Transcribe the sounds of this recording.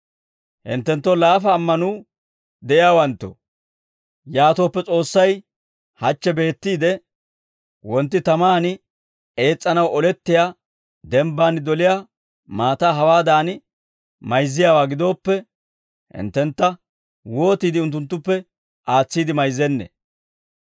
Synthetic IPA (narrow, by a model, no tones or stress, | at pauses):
hɪ̰nt̪ːɛnt̪ːolaːfɐːmːɐnuː | d̪ɛʔɪjaːwɐnt̪ːo̰ | jaːt̪o̞ːpːɛt͡sʼo̞ːsːɐj | hɐt͡ʃːɛbe̞ːt̪ːiːd̪ɛ | wɔnt̪ːɪt̪ɐmaːnɪ | e̞ːt͡sʼːɐnɐwɔlɛt̪ːɪja | d̪ɛmbaːnɪd̪ɔlɪjaː | maːt̪aːɦɐwaːd̪aːnɪ | mɐjzːɪjaːwaːɡɪd̪o̞ːpːɛ | hɪ̰nt̪ːɛnt̪ːɐ | wo̞ːt̪iːd̪ɪʊnt̪̬ːʊnt̪̬ːʊpːɛ | ʔaːt͡sːiːd̪ɪmɐjzːɛnːḛ